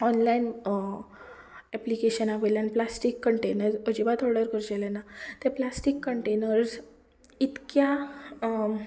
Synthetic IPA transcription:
ɔnlain | ɛplikeɕənaʋeljãnplasʈikːəɳʈenəɾsəd͡ʑibat̪ʰɔɽəɾkəɾd͡ʑelenat̪eplasʈikːəɳʈenəɾs | it̪kja

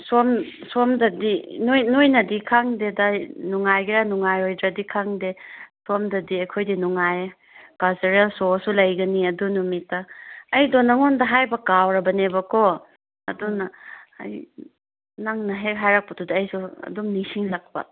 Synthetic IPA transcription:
somsomdɐdinjnojnɐdikʰaŋdedanuŋajɡiɾanuŋajojdɾɐdikʰaŋdesomdɐdiɐjkʰojdinuŋaj | kazeɾasosulɐjɡɐniɐdunumitːɐːjdonːɐŋɔndɐɦajbɐkawɾɐbɐnebɐko | ɐ̰dunɐɐ̰j | naŋnɐɦekɦajɾak̚pɐtʰudaɐjsuɐ̰dumnisiŋlak̚pɐ̰

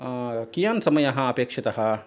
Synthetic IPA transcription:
kijaːnsɐmɐjɐɦãɐpeːkʃɐt̪ɐɦɐ

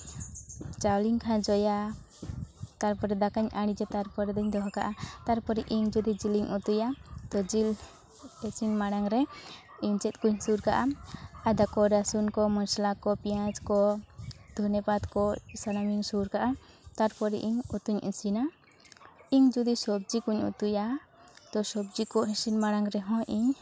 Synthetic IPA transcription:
t͡ʃawliŋkʰãd͡ʒɔja | t̪aɾpɔɾɛd̪akaɲʔaɽ̃id͡ʒɛt̪aɾpɔɾɛd̪ɔɲd̪ɔɦakaʔat̪aɾpɔɾɛʔiɲd͡ʒud̪id͡ʒiliɲʔut̪ujat̪ɔd͡ʒil | ɛsinmaɽaŋɾɛ | iɲt͡ʃɛt̪̚ˀkuɲsuɾkaʔaad̪akɔɾasunkɔmɔnslakɔpijãd͡ʒkɔ | d̪̥ʱɔnɛpat̪kɔsanamiŋsuɾkaʔat̪aɾpɔɾɛʔiɲut̪uɲḭ̃sina | iɲd͡ʒud̪isɔb̚d͡ʒikuɲṵt̪uja | t̪ɔsɔbd͡ʒikɔɦɛsinmaɽaŋɾɛɦɔ̃ʔiɲ

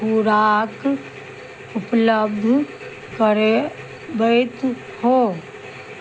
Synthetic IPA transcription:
uɾaːk | ʊpləb̚d̪ʱ | kəɾe | bət̪ | ho

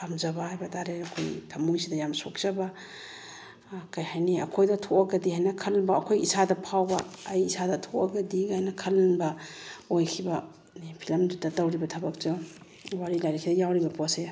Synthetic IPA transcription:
amzɐbahajbɐdaɾeɐkʰo̰jtʰɐmujsidɐjamsok̚z̥ɐbɐ | kajhajniɐ̰kʰojdɐtʰoaɡɐdihajnɐkʰɐlbɐːkʰojisadɐpʰawbɐ̰ːjisʰadɐtʰoɐɡɐdiɡajnɐkʰɐlnbɐojkʰibɐ | ipʰilɐmditɐtɐwɾibɐtʰɐbɐk̚t͡ʃo | waɾilajɾikʰidɐjawɾibɐpɔse

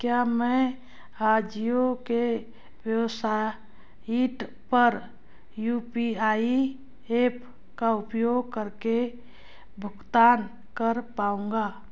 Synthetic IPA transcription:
kjamɛ̃ | ɾad͡ʒijoke | wjəwsa | iʈ | pəɾ | jupiai | epʰ | kaʊpjoːɡ̚kəɾke | bʱʊɡt̪aːn | kəɾpaũŋɡaː

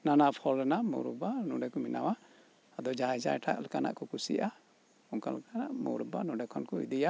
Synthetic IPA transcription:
nanaʔpʰɔlɛnaʔmɔ̰wɾubanuɖɛkɔmina̰waː | d̪ɔd͡ʒajd͡ʒa̰jʈʰa̰ʔlɛkana̰ʔkɔkusḭʔa | ɔŋkalɛkanaʔmɔ̰wɾubanuɖɛkʰɔnkɔḭd̪ija

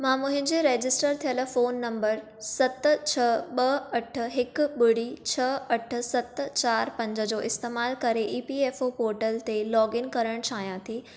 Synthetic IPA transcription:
mãːmʊ̃ɦɪ̃ɲd͡ʑeɾeːd͡ʑɪsʈəɾt̪ʰijəlfoːnːɐ̃mbəɾ | sɐt̪̆t͡ɕʰɐɓɐɐʈ̆ʰɦɪkʊɓʊɽ̤it͡ɕʰɐɐʈʰʊ̆sɐt̪t͡ɕaːɾpɐ̃ɲd͡ʑə̆d͡ʑoːʔɪst̪eːmaːlkɐɾeʔiːpieːfopoːɾʈəlt̪elɔːɡɪnkɐɾəɽ̃t͡ɕʰaːɦijãt̪ʰiː

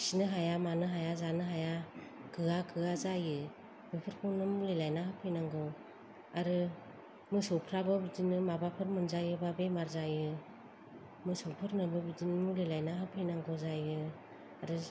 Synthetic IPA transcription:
sinɯɦajamanɯɦajazanɯɦajakʰɯakʰɯazajɯ | bɯpʰɯɾkʰɯwnɯmulejlajnaɦhɯpʰɯjnaŋɡɔ | aɾɯ | mɯsɔwpʰɾabɯbidinɯmabapʰɯɾmɯnzajɯbabemaɾzajɯ | mɯsɔwpʰɯɾnɯbɯbidinɯmɯlejlajnaɦɯpʰejnaŋɡɔzajɯ | aɾɯ

